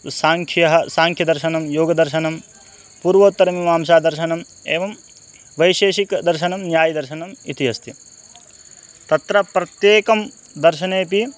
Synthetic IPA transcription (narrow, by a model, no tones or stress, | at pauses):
saːŋkʰjɐɦɐsaːŋkʰjɐd̪ɐɾʃɐnɐmjoːɡɐd̪ɐɾʃɐnɐm | puːɾʋoːt̪ːɐɾɐmimaːmʃaːd̪ɐɾʃɐnɐm | eːʋɐm | ʋɐjʃeːʃikd̪ɐɾʃɐnɐmnjaːjɐd̪ɐɾʃɐnɐmḭt̪iɦɐst̪i | t̪ɐt̪ɾɐpɾɐt̪jeːkɐm | d̪ɐɾʃɐneːpi